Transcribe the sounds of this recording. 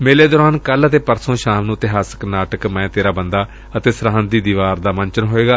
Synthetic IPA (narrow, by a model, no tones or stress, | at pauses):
meːleːd̪ɔːɾaːnkələt̪eːpəɾsõːʃaːmnũːt̪ɪɦaːsə̥knaːʈəkmɛ̃ːt̪eːɾaːbənd̪aː | ət̪eːsəɾaːnd̪iːd̪iːʋaːɾd̪aːmənt͡ʃənɦoːeːɡaː